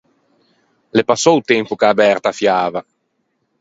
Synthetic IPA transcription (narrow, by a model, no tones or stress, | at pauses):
lepasːɔut̪ɛmpukaːbɛrt̪afjaːva